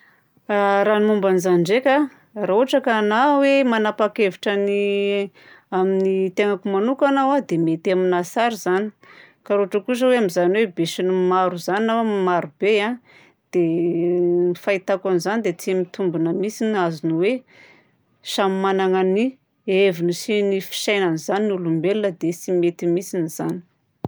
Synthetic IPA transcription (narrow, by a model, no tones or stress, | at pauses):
aɾanumbanizaɳɖ͡ʐekʲa | rauaʈ͡ʂəkanawemanapakeviʈ͡ʂəni | aminit̪eŋakumanukanawad̪emet̪aminasaɾizani̥ | kaɾoaʈ͡ʂəkus̬əweamizanwebeʃinumaɾuzaninawmaɾubeã | d̪̥e | ifait̪akanizanid̪et͡simit̪umbunəmisinazinuwe | ʃamimanaŋani | evinisinifi̥ʃajnanizaninulumbelinəd̪esimet̪imisiniz̥ani̥